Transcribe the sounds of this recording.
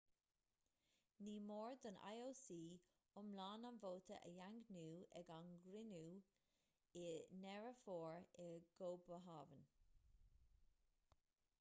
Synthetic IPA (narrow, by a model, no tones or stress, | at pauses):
niːmoːɹd̪əna̰joːsiː | ʊmlaːnanvoːt̪ʰə̰ʔəjaŋɡnuːɛɡanɡɾɪnuː | ɪnɛɹəfoːɹɛɡ̥oːbəɦaːvən